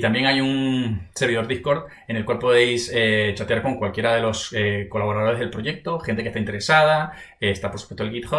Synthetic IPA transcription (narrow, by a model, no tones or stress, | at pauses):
it̪ambje̞ŋajunseɾβiðo̞ɾðihko̞ɾð | e̞nelkwalpo̞ð̞e̞jset͡ʃat̪jaɾkoŋkwalkje̞ɾaðe̞lo̞seko̞laβoɾaðoe̞zðelpɾo̞je̞k̚t̪o̞xent̪ekest̪aint̪e̞ɾe̞sað̞aeːst̪apoɾsu̥pwest̪olɡɣit̪xo